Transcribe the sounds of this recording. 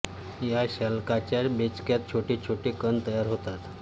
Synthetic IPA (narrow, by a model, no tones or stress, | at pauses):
jaɕalkat͡ɕabet͡ɕkjat̪̚t͡ɕʰoʈiːt͡ɕʰoʈiːkənt̪əjaɾɦot̪at̪